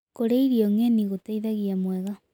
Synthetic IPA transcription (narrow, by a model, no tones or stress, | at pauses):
koɾeiɾiɔŋɛniɣotaiðaɣiamwɛɣa